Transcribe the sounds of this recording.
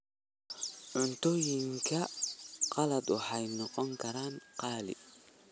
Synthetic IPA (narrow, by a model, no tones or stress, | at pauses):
ʕʊnt̪ʰɔːjɪŋkʰɐqɑlɐd̪wʊħɑjnɔqɔŋkʰɐɾaːnqɑːlɪ̰